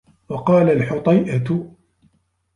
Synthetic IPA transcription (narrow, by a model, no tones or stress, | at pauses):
wɑqɑːlalħʊt̪ˤɑjʔat